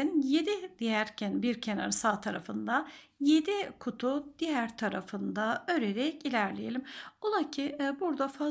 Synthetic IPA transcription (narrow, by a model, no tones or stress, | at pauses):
inje̞d̪id̪̥ijæɾcʰænbiɾcʰena̰ɾsaːt̪ʰaɾafɯnd̪a | je̞d̪ikʰut̪ʰud̪̥ijæɾt̪ʰaɾafɯnd̪aø̞ɾeɾɛcilʲæɾlʲejelʲimolˠacʰibuɾd̪afa